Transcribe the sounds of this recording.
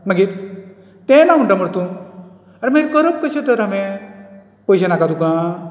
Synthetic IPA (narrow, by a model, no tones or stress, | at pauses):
məɡi | t̪ẽnaɦuɳʈaməɽt̪ũ | aɾmeɾkəɾəp̚kəɕẽt̪əɾamẽ | pəjɕ̬ənakat̪ukã